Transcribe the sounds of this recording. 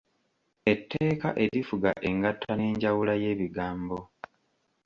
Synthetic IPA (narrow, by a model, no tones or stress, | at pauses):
e̞tːe̞ːkaʔe̞ɾifuɡaʔe̞ŋɡatʰːane̞ːɲɟawulaje̞ːβiɡaːmbo̞